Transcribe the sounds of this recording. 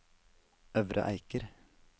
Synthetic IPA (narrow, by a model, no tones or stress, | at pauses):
œʋɾʔə̰ʔæɪkəɾ